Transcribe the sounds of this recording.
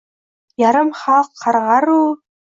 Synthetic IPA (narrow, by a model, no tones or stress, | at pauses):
jɑɾɤmχɑqʰːɑɾʁɑɾu